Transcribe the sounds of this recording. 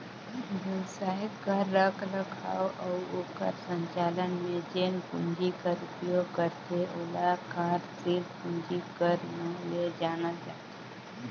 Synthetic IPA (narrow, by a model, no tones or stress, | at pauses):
ʋɛwsaːɦɪtkəɾːəkʰləkʰa̰ːwʔaʊoːkə̰ɾsə̃ɲt͡ʃaːlənmed͡ʒeːnkʊɲd͡ʒikəɾupjoɡ̚kəɾt̪eʔolakaːɾsilkʊɲd͡ʒikəɾnəled͡ʒaːnəld͡ʒaːt̪e